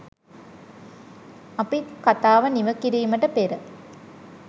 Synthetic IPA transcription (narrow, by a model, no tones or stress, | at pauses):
ɐpikat̪aːʋəniʋəkiɾiːməʈəpeɾə